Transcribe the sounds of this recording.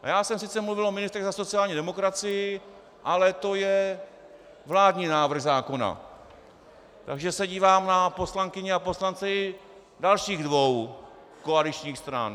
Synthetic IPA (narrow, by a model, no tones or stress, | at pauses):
jaːsɛmsɪt͡sɛmluvɪlʔomɪnɪst̪ɾɛɣzaso̞t͡sɪaːlɲiːdɛmo̞kɾat͡sɪjɪ | ʔalɛt̪o̞jɛ | vlaːdɲiːnaːvr̩ɣzaːko̞na̰ | t̪aɡʒɛsɛɟiːvaːmnapo̞slaŋkɪɲɛapo̞slant͡sɛ | dalʃiːɣdvo̞w | koalɪt͡ʃɲiːxst̪ɾa̰n